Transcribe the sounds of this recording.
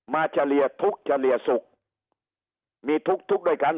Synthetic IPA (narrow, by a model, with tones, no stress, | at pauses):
maː˧t͡ɕaː˧˩li˧˩ət̪ʰu˦˥k̚t͡ɕaː˧˩li˨˩əsʊ˨˩k̚ | mi˧t̪ʰu˦˥k̚t̪ʰu˦˥k̚ɗəː˧˩jkaː˧˦n